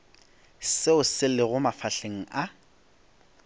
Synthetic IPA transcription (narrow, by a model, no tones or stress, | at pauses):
sɪʊsɪlɪɣʊmafaɬeŋ̩a